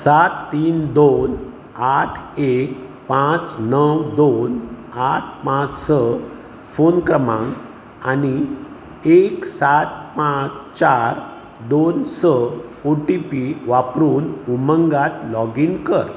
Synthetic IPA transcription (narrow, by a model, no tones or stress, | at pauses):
sat̪ːiːnd̪on | aʈʰek | pãt͡snəwd̪onaʈʰpãt͡ssə | fonkɾəmã̰ŋɡ | ani | eksat̪̚pãt͡st͡ɕaɾ | d̪onsəoʈipiʋapɾuːnuməŋɡat̪lɔɡinkəɾ